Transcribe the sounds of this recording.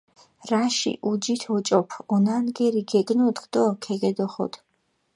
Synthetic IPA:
raʃḭʔud͡ʒit̪ʰɔt͡ʃʼɔpʰɔnanɡɛɾiɡɛkʼnut̪ʼqd̪ɔkʰɛɡɛd̪ɔχɔ̰d̪̥ʰ

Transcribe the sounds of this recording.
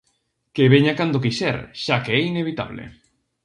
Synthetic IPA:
keβeɲakand̪okiʃɛ̰ɾʃakeɛineβit̪a̰βlḛ

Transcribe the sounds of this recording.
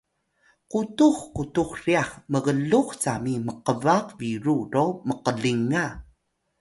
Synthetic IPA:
qutuχkutuχriaχməɣəɮuχt͡samiməqəvaqviɾuroməqəɮiŋa

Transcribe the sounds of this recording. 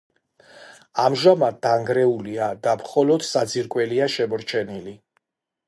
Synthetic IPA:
amʒamad̪̚aŋɡɾɛuliad̪amχɔlɔd̪̥sad̪ziɾkʼwɛliaʃɛmɔɾt͡ʃʰɛnili

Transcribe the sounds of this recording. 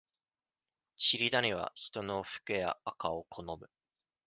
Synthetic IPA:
t͡ɕiɾʲid̪aɲʲiβ̞a̰çi̥t̪o̞no̞ɸɯ̥kɯja̰ːkaokʰo̞no̞mɯ̟

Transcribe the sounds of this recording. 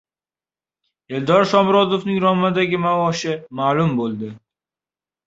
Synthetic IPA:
eld̪ɒɾʃɒmɾɒd̪ofnɪŋɾɒmːad̪aɡʲɪmavɒʃɪmaːlʊmbolˠd̪ɪ

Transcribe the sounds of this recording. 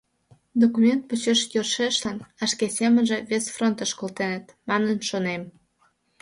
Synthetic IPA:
d̪okumʲent̪̚put͡ɕeʃjorʃeʃlɑnɑʃkesʲemə̆nʒĕβesfront̪əʃkolt̪enə̆t̪mɑnənʃonem

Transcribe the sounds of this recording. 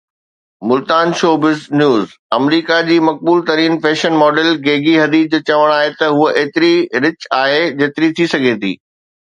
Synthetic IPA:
mʊlt̪aːnʃoːbɪznjuːzɐmɾiːkad͡ʑiːmɐk̚buːlt̪ɐɾiːnfeːʃənmɔːɖəlɡeːɡiɦɐd̪iːd͡ʑoːt͡ɕɐʋəɽ̃aːɦet̪ɐɦuʔeːt̪ɪɾiɾɪt͡ɕaːɦed͡ʑeːt̪ɪɾit̪ʰisɐɡʱet̪ʰḭː

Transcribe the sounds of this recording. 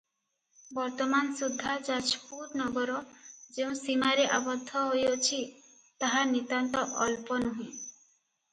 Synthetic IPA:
bɔɾt̪ɔmansud̪ʱːad͡ʒat͡ʃpuɾnɔɡɔɾɔd͡ʒeũsimaɾeʔabɔd̪ʱːɔɦojot͡ʃʰi | t̪aɦanit̪ant̪ɔʔɔlpɔnuɦĩ

